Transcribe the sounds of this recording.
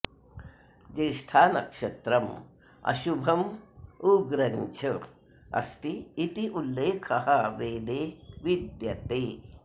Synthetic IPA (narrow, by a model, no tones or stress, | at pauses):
d͡ʒeʃʈʰaːnɐkʂɐt̪ɾɐm | ɐ̰ʃubʱɐmuɡɾɐɲt͡ʃʰɐ | ɐ̰st̪iːt̪iʔulːeːkʰɐɦɐʋeːd̪eːʋid̪jɐt̪eː